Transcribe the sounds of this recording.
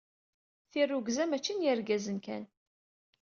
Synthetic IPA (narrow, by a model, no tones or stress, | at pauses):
θirːuɡzæmæt͡ʃːinjəɾɡæzənkæ̰n